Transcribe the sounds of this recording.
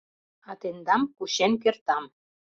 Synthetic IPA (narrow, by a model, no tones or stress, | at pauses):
ɑt̪end̪ɑmkuʃenk̬ert̪ɑm